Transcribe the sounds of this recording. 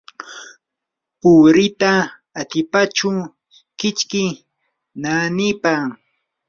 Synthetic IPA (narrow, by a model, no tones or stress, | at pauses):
pʊɾɪt̪aː | t̪ɪpat͡ʃʊ | kɪt͡ʃkɪ | nanɪpa